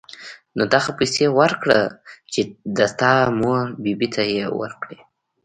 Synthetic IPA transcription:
nod̪aɣapajsewəɾkɽə̰t͡ʃed̪əst̪ɑmoɾbibit̪ʰajewə̰ɾkɽe

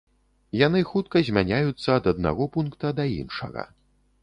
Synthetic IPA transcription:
janɨxut̪̚kɐzʲmʲanʲajut̪sːɐːd̪ɐd̪̚na̰ɣɔpunkt̪ɐd̪ɐḭnʂɐ̰ɣɐ̰

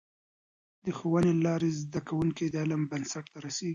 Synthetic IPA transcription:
d̪əxowənelɑɾezd̪akawuŋkid̪alambansaʈ̚t̪aɾaseɡi

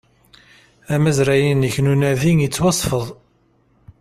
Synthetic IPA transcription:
æmæzɾæjinəçnunæðiŋət͡sːwɑsˤfəðˤ

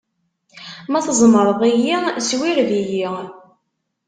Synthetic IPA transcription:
mæθzˤməɾˤəðˤijiswiɾðiji

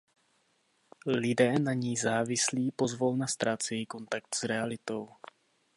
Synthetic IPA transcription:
lɪdɛːnaɲɛjzaːvɪsliːpo̞zvalnast̪ɾaːt̪t͡sɛjɛiːko̞nt̪ak̚t̪z̥ɾɛalɪt̪o̞w

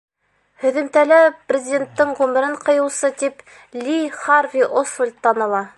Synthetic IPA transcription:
hɵ̆ðɘ̆mt̪ælæprʲɪzʲɪdʲent̪ːɘɴʁʉmɘ̆ɾɘɴqɤ̆jɤ̆wsɤt̪ip | lʲiχɑrvʲiʔosvolʲt̪ːɑnɤ̆lˠɑ

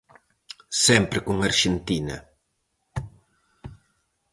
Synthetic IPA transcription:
sɛmpɾɪkuŋɐɾʃent̪inɐ̰

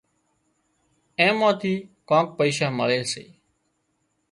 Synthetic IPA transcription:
ẽːmãːt̪ʰiːkãːk̚pəiːʃaːməɭeːsḛː

